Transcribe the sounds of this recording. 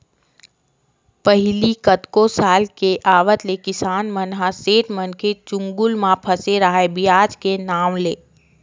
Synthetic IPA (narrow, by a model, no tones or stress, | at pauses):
pəɦɪlikət̪kosaːlkeʔaːʋət̪lekɪsaːnmənɦãseːʈmənkʰet͡ʃʊ̃ŋɡʊlmãpʰəseɾaɦaebijaːd͡ʒkenaːmleː